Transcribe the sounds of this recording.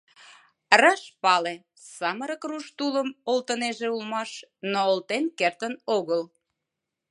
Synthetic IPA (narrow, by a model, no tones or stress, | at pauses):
rɑʃpɑle | sɑməɾəkruʃt̪uləmolt̪əneʒeulmɑʃnoːlt̪enkert̪ənoɣəl